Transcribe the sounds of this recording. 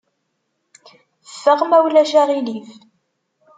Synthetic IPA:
əfːəʁmæwlæʃaʁiliv

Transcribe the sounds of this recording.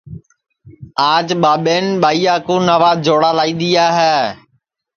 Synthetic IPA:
aːd͡ʒɓaːɓeːnɓaːiːaːkõːnaːʋaːd͡ʒoːɽaːlaːĩːd̪iːaːɦɛː

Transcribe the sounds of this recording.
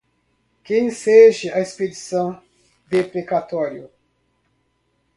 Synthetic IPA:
kẽj̃seʒɪɐesped͡ʒisɐ̃w̃ | d̪epɾekat̪ɔɾjʊ

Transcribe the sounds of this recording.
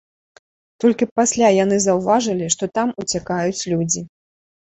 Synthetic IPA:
t̪ɔlʲkʲipasʲlʲajan̪ɨzɐwvaʐɨlʲiʂt̪ɔt̪amut͡sʲakajut͡sʲlʲud͡zʲi

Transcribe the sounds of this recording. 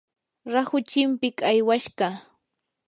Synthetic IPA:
ɾahʊt͡ʃɪmpɪkajwaʃɢɑ

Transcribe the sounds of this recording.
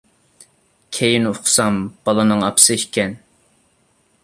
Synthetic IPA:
kʲʰejinoqʊ̥sɑmb̥ɑlˠɨnɨŋɑpsɨikʲɛn

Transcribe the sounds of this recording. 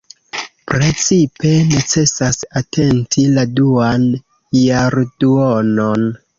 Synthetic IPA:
pɾe̞t͡sipe̞ne̞t͡se̞sasatʰe̞ntiladuan | jaɾduono̞n

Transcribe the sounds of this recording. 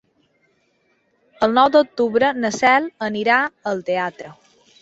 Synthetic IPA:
əlˠnɔwd̪ok̚t̪uβɾənəsɛlˠəniɾaəlˠt̪eat̪ɾə

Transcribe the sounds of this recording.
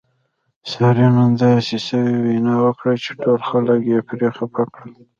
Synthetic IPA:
sɑɾimand̪ɑsesəwiwinɑwəkɽat͡ʃe̥ʈolxaləkjepɾexapʰakɽəl

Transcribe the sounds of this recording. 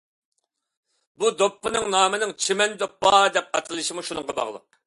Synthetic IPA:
bud̪opːɨnɨŋnɑːmɨnɨŋt͡ʃʰemɛnd̪opːɑd̪ɛp̚qɑt̪ʰɨlˠɨʃimuʃunɨŋqɑbɑ̰ʁlˠɨ̰q̚

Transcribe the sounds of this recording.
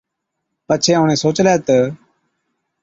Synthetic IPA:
pət͡ʃʰẽːoːneːsoːt͡ʃleːt̪ə

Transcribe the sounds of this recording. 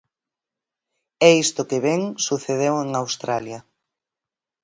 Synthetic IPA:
ɛist̪ʊkeβɛŋsuθeðeweŋawst̪ɾaljɐ

